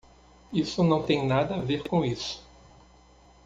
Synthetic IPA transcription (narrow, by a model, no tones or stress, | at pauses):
isʊnɐ̃w̃t̪ẽj̃nad̪ɐaveɾkõisʊ̥